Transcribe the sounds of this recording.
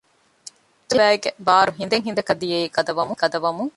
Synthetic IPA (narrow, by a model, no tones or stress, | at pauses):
t̪ːɐʋæːeɡebaːɾuɦind̪eŋɦind̪ɐkɐd̪ijeikɐd̪ɐʋɐmukɐd̪ɐʋɐmuŋ